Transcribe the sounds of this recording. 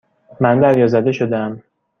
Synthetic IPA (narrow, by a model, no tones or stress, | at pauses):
mænd̪æɾjɒːzæd̪e̞ʃod̪eæm